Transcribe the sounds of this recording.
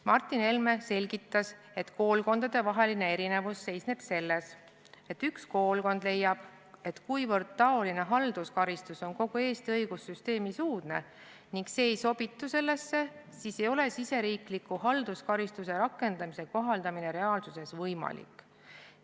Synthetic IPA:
mɑrt̪ːˑine̞lmese̞lʲɡ̥it̪ːˑɑs | e̞t̪ko̞ːlko̞nd̪̥ɑd̪̥e̞vɑɦe̞line̞e̞ɾine̞vusːe̞jsne̞b̥se̞lːes | e̞t̪ːyksko̞ːlko̞nd̪le̞jːɑb̥ | e̞t̪kujvɤrd̪̥̚t̪ɑo̞line̞ɦɑld̪̥uskɑɾist̪uso̞nko̞ɡ̥ue̞ːst̪iɤjɡ̥usːyst̪e̞ːmisuːd̪̥ne̞ | niŋɡse̞ːejso̞b̥it̪ːuse̞lːe̞sːe̞sise̞jo̞le̞sise̞ɾiːklikːˑuhɑld̪uskɑɾist̪use̞ɾɑkːˑe̞nd̪̥ɑmise̞ko̞ɦɑld̪ɑmine̞ɾe̞ɑːlsuse̞svɤjmɑ̰lḭkːˑ

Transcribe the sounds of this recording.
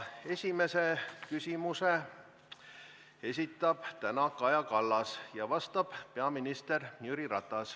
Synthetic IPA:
e̞sʲime̞se̞kysʲimuse̞ | e̞s̬ʲit̪ːˑɑb̥t̪ænɑkɑjɑkɑlːɑsjɑvɑst̪ɑb̥pe̞ɑminist̪e̞rnjyɾiɾɑt̪ˑːɑs

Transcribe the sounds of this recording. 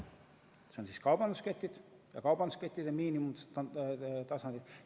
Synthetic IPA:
seonsiːskɑwbɑnd̪usket̪ʲˑːid̪̥ | jɑkɑwb̥ɑnd̪usket̪ʲˑːid̪̥ɑmiːnimum | t̪ɑsɑnd̪id̪̥

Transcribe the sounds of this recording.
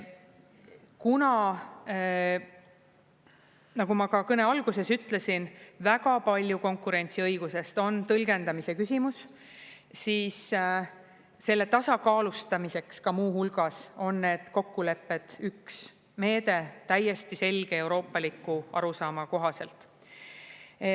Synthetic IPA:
kunɑ | nɑɡ̥umɑkɑkɤne̞ɑlɡ̥use̞syt̪ˑle̞sinvæɡɑpɑlʲjuko̞ŋkːˑuɾe̞nʲt̪siɤjɡ̥use̞st̪o̞nt̪ɤlɡe̞nd̪ɑmise̞kysʲimus | siːs | se̞lːe̞t̪ɑsɑkɑːlust̪ɑmise̞kskɑmuːhulɡ̥ɑso̞nːe̞ːd̪̥ko̞kːule̞pːe̞d̪̥yks | me̞ːd̪e̞t̪æje̞st̪ise̞lɡ̥e̞e̞wɾo̞ːpːˑɑlikːˑuɑ̰ɾusɑːmɑko̞ɦɑse̞lt̪ˑ

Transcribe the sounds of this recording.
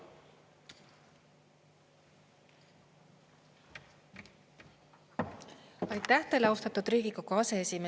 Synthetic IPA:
ɑjt̪ːˑæht̪elɑwst̪ɑt̪ːud̪̥ɾiːɡ̥iɡɑkoɑseesime

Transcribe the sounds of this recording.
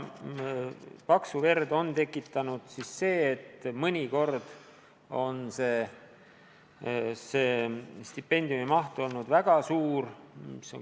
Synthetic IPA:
pɑksuve̞rd̪o̞nt̪e̞kːˑit̪ːˑɑnud̪̥sisːe̞ːt̪ːmɤnʲiko̞rd̪̥ | o̞nse̞ː | se̞ːst̪ipːe̞nʲd̪iumimɑht̪uo̞lnud̪̥væɡ̥ɑsuːɾmso

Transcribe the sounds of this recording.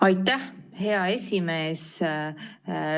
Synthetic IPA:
ɑjt̪ːæhhe̞ɑe̞sʲime̞ːs

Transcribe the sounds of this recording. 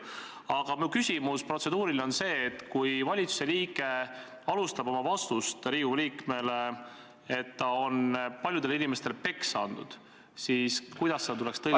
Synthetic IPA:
ɑɡ̥ɑmiukysʲimuspro̞t̪se̞d̪uːɾilo̞nse̞ːt̪ːkujvɑlʲit̪su̥se̞liːɡ̥e̞ | ɑlust̪ɑbo̞mɑvɑst̪ust̪ɾiːuliːkme̞le | e̞t̪ːɑo̞npɑlʲjud̪elinime̞st̪e̞lpe̞kssːɑnd̪̥ud̪̥ | siskujd̪̥ɑsːed̪ɑt̪ulɛkst̪ɤ

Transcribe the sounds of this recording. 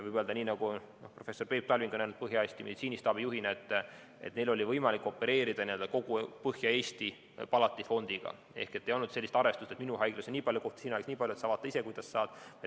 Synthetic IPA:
vɯjbøld̪̥ɑniːnɑɡ̥u | nohpro̞fe̞sːo̞rpe̞ːp̚t̪ɑlʲviŋɡ̥onæjnult̪̚pɤɦjɑesʲt̪imḭsiːnist̪ɑːbijuɦineet̪ˑː | e̞t̪ne̞lo̞lʲivɤjmɑlikːˑo̞pːe̞ɾe̞ːɾid̪̥ɑnie̞ld̥̪ɑko̞ɡ̥upɤhjɑe̞ːsʲt̪i | pɑlɑt̪ːˑifo̞nd̪̥iɡ̥ɑ̰ | e̞̰hket̪ːe̞jo̞lnudt̪se̞lːist̪ɑɾve̞st̪ust̪et̪minuɦɑjɡ̥lusenʲiːpɑljuko̞ht̪sinujeksniːpɑlʲjuesɑːvɑːt̪ːˑɑise̞kujd̪ɑsːɑːd̪̥j

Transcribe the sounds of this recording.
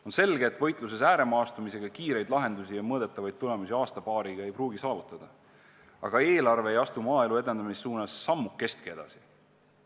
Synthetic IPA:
o̞nse̞lɡe̞ːt̪ːˑvɤ̞jt̪ˑlus̬e̞sæːɾe̞mɑːst̪umise̞ɡ̥ɑkiːɾe̞jd̪lɑɦe̞nd̪usijɑmɤːd̪̥et̪ːˑɑvɑjd̪̚t̪ːule̞musiɑːst̪ɑpɑːɾiɡ̥ɑejpruːɡisɑːvut̪ːˑɑd̪̥ɑ | ɑ̰ɡ̥ɑeːlɑrve̞ːjɑst̪umɑːe̞lue̞d̪e̞nd̪̥ɑmisːuːnɑsːɑmːukːe̞st̪̚kee̞d̪̥ɑ̰si̥

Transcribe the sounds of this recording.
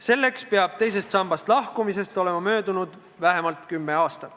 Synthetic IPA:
se̞lːe̞kspeɑb̥̚t̪e̞jse̞st̪sɑmb̥ɑst̪lɑhkumise̞st̪o̞le̞mɑmø̞ːd̪unud̪̥ | væɦe̞mɑlt̪ˑkymːe̞ɑːst̪ɑ

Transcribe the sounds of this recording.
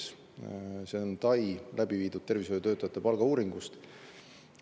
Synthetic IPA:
s | se̞ont̪ɑjlæb̥iviːd̪̥ud̪̥̚t̪e̞rvisojot̪øːt̪ːˑɑjɑt̪ːepɑlɡ̥ɑuːɾiŋɡ̥ust̪

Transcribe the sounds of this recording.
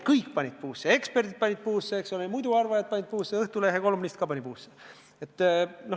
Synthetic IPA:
kɯjkːpɑnʲid̪̚puːsːee̞kspe̞rd̪id̪̚pɑnʲid̪̚puːsːeeksolemujd̪uɑrvɑjɑd̪̚pɑnʲit̪̚puːsːeɤht̪uleɦeko̞lumnʲist̪̚kɑpɑnʲipuːsːe | et̪ːˑno

